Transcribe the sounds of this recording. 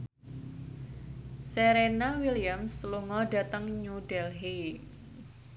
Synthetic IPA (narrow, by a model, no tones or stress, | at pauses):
seɾenawiliamsluŋɔɖa̤t̪əŋɲuɖ̥ɛlɦe